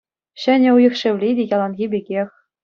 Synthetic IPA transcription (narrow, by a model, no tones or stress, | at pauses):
ɕɘ̆nʲɘ̆ujɤ̆xʃɘ̆ʋlʲidʲejɑlˠɑnɣʲibʲeɡʲexʲ